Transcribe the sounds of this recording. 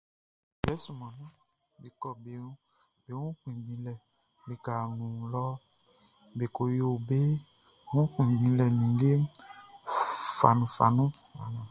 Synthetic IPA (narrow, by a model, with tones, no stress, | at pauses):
bɛ˨˦su˨mɔ̃˨nũ˦ | be˨kɔ˨be˨˦ | be˦wũ˦k͡pĩ˨ɡ͡bĩ˨˦lɛ˨ | be˨ka˨ñũ˨lɔ˦ | be˨ko˨jo˦˨o˨be˦ | wũ˦k͡pĩ˨ĩ˨˦lɛ˨nĩ˨˦ɡe˦ | fa̰˨nũ˨fa̰˨nũ˦ | a̰˨nɔ̃˨